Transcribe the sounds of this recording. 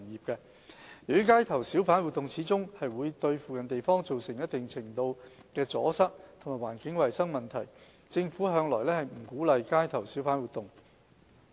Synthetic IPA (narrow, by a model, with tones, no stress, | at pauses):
njiː˨p̚kɛ˧ | jy˨y˥kaː˥jt̪ʰɐ˨˩wsiː˨˥wfaː˨˥nwuː˨t̪̚ʊ˨ŋt͡sʰiː˨˥t͡sʊ˥ŋhɐ˨jwuː˨˧jt̪ɵ˧ɥfuː˨kɐ˨nt̪e˨jfɔː˥ŋt͡so˨wsɪ˨˩ŋjɐ˥t̚t̪ɪ˨ŋt͡sʰɪ˨˩ŋt̪o˧w | kɛː˧t͡sɔ̰ː˨˥sɐ˥k̚t̪ʰmaː˨˩waː˨˩nkɪ˨˥ŋwɐ˨jsɐ˥ŋmɐ˨nt̪ʰɐ˨˩j | t͡sɪ˧ŋfuː˨˥ɦœː˨˧ŋlɔː˨˩jlɛː˥hɐ˨˩jm̩˨˩kuː˨˥lɐ˨˧jkaː˥jt̪ʰɐ˨˩wsiː˨˥wfaː˨˥nwuː˨t̪ʊ˨˩ŋ